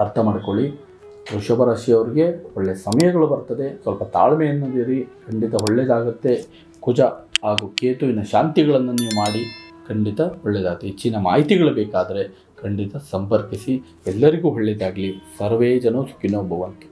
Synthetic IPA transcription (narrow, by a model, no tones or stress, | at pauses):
ɐɾt̪ʰɐmaːɽikoɭi | ɾuʂɐbɐɾaːʃɐjɐʋɐɾiɡe̞ɔɭːesɐmɐjɐɡɐɭubɐɾt̪ɐd̪e̞sʋɐlpɐt̪a̰ːɭmɛjɐnːɐd̪iɾikʰɐɳɖit̪ɐɦɔɭːed̪aːɡɐt̪ːe̞ | kud͡ʒɐɦaːɡukeːt̪uinːɐʃaːnt̪iɡɐɭɐnːɐniːʋumaːɽikʰɐɳɖit̪ɐhɔɭːed̪aːɡɐt̪ːeit͡ʃːinɐma̰ːɦit̪iɡɐɭubɛːkaːd̪ɐɾe̞ | kʰɐɳɖit̪ɐsɐmpɐɾkisi | ɛlːɐɾiɡuːɦɔɭːɛd̪aːɡlisɐɾʋeːd͡ʒɐnɐsu̥kːinoːbʱɐʋɐnt̪u̥